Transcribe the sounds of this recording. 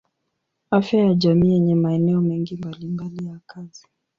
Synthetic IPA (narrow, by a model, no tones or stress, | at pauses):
afjajaʄamiːjɛɲɛmaɛnɛɔmɛŋɡimbalimbalijakʰazi